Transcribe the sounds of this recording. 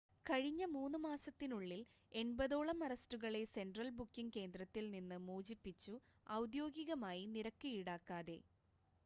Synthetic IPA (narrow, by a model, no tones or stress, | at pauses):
kɐɻiɲːɐmuːnːumaːsɐt̪ːinuɭːil | e̞ɳbɐðo̞ːɭɐmɐrɐstuɣɐɭe̞se̞nɖrɐlbukːiŋke̞ːnd̪ɾɐt̪ːilninːɨmuːd͡ʑipːit͡ɕːu | ɐwd̪jo̞ːɡiɣɐmaːjiniɾɐkːijiɽaːkːaːðe̞̰